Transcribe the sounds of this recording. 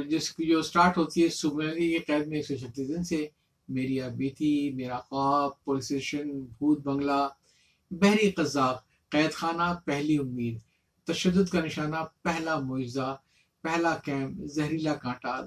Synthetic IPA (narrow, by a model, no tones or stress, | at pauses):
d͡ʒɪskid͡ʒoːsʈaːɾʈɦoːt̪iɦɛsʊbelikeqɛːd̪̚mẽeːksɔt͡ʃʰɐt̪ːiːsd̪ɪnse | meːɾiaːbiːt̪ʰimeːɾaqaːbpoːlɪseːʃənbʱuːt̪̚bɐ̃ŋɡla | bɛɦɾiqɐzːaːq | qɛːd̪xaːnapɛɦliʊmːiːd̪ | t̪ɐʃəd̪ːʊd̪kanɪʃaːnapɛɦlamoːd͡ʒɪza | pɛɦlakɛ̃ːmpzɐɦɾiːlakãːʈaː